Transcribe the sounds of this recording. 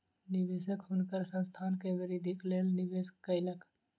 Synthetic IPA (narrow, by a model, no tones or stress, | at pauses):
niʋesəkɦʊnkəɾsə̃nst̪ʰaːnkeʋɪɾid̪ʱikleːlniʋesə̥kːəɪləkʰ